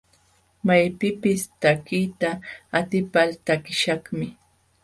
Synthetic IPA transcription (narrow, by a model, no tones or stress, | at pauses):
majpɪpɪst̪akijt̪aːt̪ɪpalt̪akɪʃɑχmɪ